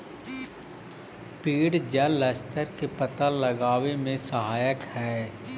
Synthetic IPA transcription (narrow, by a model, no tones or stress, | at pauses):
piːɽd͡ʒəlɛst̪ʰəɾkepət̪aləɡaːʋemẽsəɦaːjəkhɛː